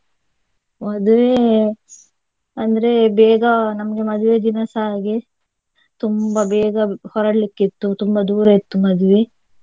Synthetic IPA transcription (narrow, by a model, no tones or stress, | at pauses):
mɐd̪uʋe | ɐnd̪ɐɾebɛːɡɐnɐmɐɡemɐd̪uʋed̪inɐsaːɡe | t̪umbɐbɛːɡɐhɔɾɐɽlikːit̪ːut̪umbɐd̪uːɾɐit̪ːumɐd̪uʋe